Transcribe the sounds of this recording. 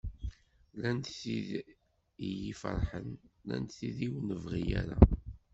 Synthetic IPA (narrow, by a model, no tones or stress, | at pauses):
lænt̪θið | ijifə̰ɾˤħənlæ̰nt̪θiðiwnəvʁijæɾa